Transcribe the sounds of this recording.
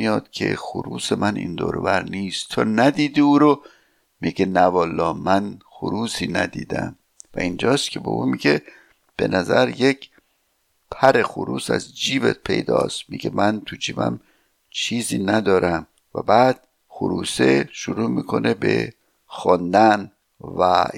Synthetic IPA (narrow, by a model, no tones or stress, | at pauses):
ijɒːd̪̥cʰḛxoɾuːsemænʔḭnd̪o̰ːɾo̰væɾniːst̪ʰːɒːnæd̪iːd̪iuːɾo | miɡenævɒːlːɒːmænxoɾuːsiːnæd̪ḭːd̪æ̰m | væind͡ʒɒːst̪kʰe̞bḛʔuːmiɟe | b̥e̞̰nʔæzæɾjecʰ | pʰæɾexoɾuːsæ̰zd͡ʒiːbet̪̚pʰe̞̰jd̪ɒ̰ːst̪miɡemænt̪ʰud͡ʒiːbæ̰m | t͡ʃʰiːziːnæd̪ɒːɾʔæm | væbæːd̪̥ | xoɾuːseʃuɾuːmiːkʰo̞nʔebe̞̰ | xɒnd̪æn | væ